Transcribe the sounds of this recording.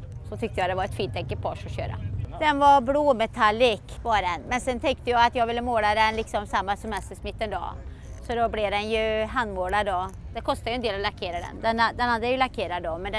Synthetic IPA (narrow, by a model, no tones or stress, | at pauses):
sɔt̪ʰʏkt̪əjɑd̪ɛvaɾɛt̪fiːnt̪ʰɛŋkːəpʰɔʂɔɕø̰ːɾa̰d̪ɛnvaɾbloːmɛt̪ʰalːɪkvɑɖɛnmɛnsɛnt̪ʰɛŋkt̪əjɑːat̪jɑːɡvɪlːəmoːlad̪ɛnlɪksɔmsamːasɛmɛst̪əʂmɪt̪ːənd̪ɑ̰ː | sɔd̪ɔblɪd̪ɛnjɵɦand̪moːlad̪ɔd̪ɛkʰɔst̪ajɵɛnd̪eːlɔlaɾkʰeːɾad̪ɛ̰nd̪ɛnd̪ɛnhad̪ːəjajɵlaɾkʰeːɾad̪ɔmɛnd̪ɛ